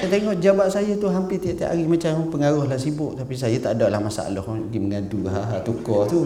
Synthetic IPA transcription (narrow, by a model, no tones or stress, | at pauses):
t̪aʔt̪eŋɔʔd͡ʒabaʔsajət̪uɦampɪt̪iaʔt̪ia̰ʔaɾimat͡ʃampəŋaɾʊhlahsibʊʔ̚t̪apis̬ajat̪aʔdaʔlahmasa̰a̰lɔhɡiməŋaduɦaɦat̪ukɔt̪u